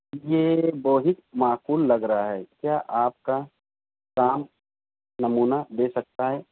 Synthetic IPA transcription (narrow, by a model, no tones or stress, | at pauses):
jeːboːɦɪk̚maːkuːlːɐɡɾɐɦaɦɛːkjaːʔaːp̚ka | kaːm | nɐmuːnad̪eːsɐk̚t̪aɦɛː